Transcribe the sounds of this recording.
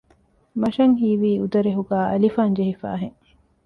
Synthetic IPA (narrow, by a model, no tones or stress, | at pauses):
mɐʃɐŋɦiːʋiːud̪ɐɾeɦuɡæːʔɐlifaːnd͡ʒeɦifa̰ːɦeŋ